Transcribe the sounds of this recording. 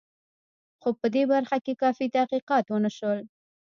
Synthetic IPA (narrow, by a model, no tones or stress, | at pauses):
xopəd̪ebaɾxakekɑfit̪ahqiqɑt̪wənəʃəl